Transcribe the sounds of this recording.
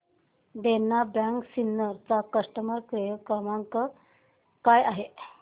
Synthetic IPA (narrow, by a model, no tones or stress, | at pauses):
d̪enːabaŋksinːəɾt͡sakəʂʈəməɾkɾijəkamaŋkə | kajaɦe